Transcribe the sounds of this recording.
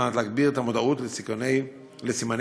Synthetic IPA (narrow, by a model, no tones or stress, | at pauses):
at̪leːɡbiʁet̪amo̞d̪autlesik | lesiman